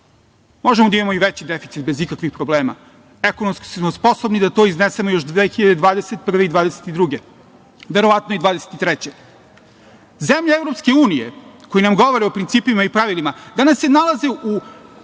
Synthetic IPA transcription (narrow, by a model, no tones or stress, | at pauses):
mo̞ʒemod̪aimamoiʋet͡ɕid̪efit̪sit̪̚bezikakʋixpɾobleːma̰ | ekonomski̥ssmospo̞sobnid̪at̪o̞iznesemojo̞ʃd̪ʋexiʎad̪e̞d̪ʋaːd̪eset̪̚pr̩ʋe̞id̪ʋaːd̪eset̪id̪ɾuɡe | ʋe̞ɾoʋat̪noid̪ʋaːd̪ese̥t̪it̪ɾɛt͡ɕe | zemʎaevɾopske̞uːnijḛkojinamɡo̞ʋoɾeopɾint̪siːpimaipɾaʋilimad̪anasːenalˠazeʔu